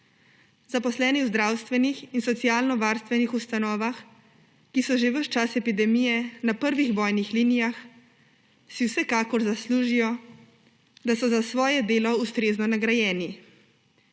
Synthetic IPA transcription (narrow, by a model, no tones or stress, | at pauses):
zapɔslɛːniwzd̪ɾaːwst̪ʋɛnixinsɔt̪sijaːlnɔʋaɾst̪ʋɛnixust̪anɔːʋax | kisɔʒeʋəʃt͡ʃasɛpid̪ɛmijɛnapəɾʋiɣbɔːjnixliːnijax | siwsɛkaːkɔɾzasluːʒijɔ | d̪asɔzasʋɔːjɛd̪eːlɔust̪ɾeːznɔnaɡɾajɛːni